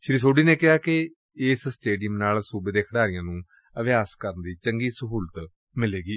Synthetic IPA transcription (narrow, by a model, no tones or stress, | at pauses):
ʃɾiːs̬oːɖiːneːkɪɦaːkɪ | ɪssʈeːɖɪjəmnaːlsuːbeːd̪eːkʰəɽaːɾɪjãːnũː | əʋjaːskəɾənd̪iːt͡ʃəŋɡiːsəɦuːlət̪ | mɪleːɡiː